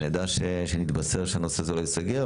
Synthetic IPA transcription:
jad̪aʃeʃenit̪baseʁʃeanosezelojesaɡe

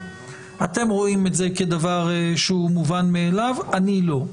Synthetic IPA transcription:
ate̞mʁo̞ime̞tze̞ked̪avaʁʃeumuvanmeːlavanilo̞

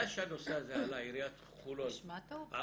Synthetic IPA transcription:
aʃanoseazealaiɾiat̪ | χulot̪a

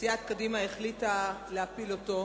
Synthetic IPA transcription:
siat̪kadimaeχlitaleapiloto

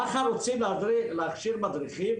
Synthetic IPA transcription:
aχaɾut͡sʰilad̪ɾilaχʃiɾmad̪ɾiχi

